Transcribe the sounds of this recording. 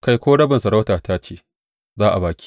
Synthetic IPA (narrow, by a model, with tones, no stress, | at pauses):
ka˦˨jkʷoː˦ɽɐ˦bɐ˨nsɐ˨ɽa˦wtaː˨taː˦t͡ʃeː˦ | zaː˦ʔa˨baː˨kʲi̥ː˦